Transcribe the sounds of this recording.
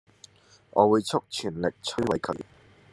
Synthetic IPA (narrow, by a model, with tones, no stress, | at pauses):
ʔɔː˨˧wuː˨˧jt͡ʃʰʊ˥k̚t͡ʃʰyː˨˩nlɪ˨k̚t͡sʰɵ˥ɥwɐ˨˧˥jkʰɵ˨˧ɥ